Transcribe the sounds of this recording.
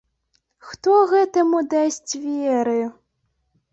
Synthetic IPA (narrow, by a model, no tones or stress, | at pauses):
xt̪ɔɣɛt̪ɐmud̪asʲt͡sʲvʲɛɾɨ